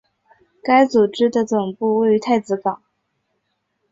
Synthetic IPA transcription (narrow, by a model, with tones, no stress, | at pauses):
ka˥ɪt͡su˨˩ʈ͡ʂɻ̩˥d̪ə˨t͡sʊ˨˩ŋpu˥˧we˥˩ɪy˧˥t̪ʰa˥˩ɪt͡sɹ̩˧˥fɑ˨˩˦ŋ